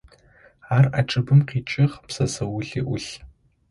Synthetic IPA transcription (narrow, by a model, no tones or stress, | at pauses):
aːra̰ʈ͡ʂʼɨbɨmqʰiːt͡ʃʼɪʁpsɐzɐwʊɮiːʔʷʊɬ